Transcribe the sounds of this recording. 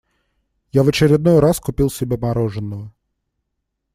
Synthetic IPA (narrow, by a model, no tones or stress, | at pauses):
javət͡ɕɪɾʲɪd̪nojɾaskʊpʲilˠsʲɪbʲamɐɾoʐɨnːəvə